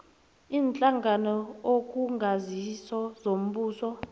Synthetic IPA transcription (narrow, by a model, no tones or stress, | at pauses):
iːnt͡ɬʼaŋɡʱanɔokʼuŋɡʱazisɔzom̩ɓuːsɔ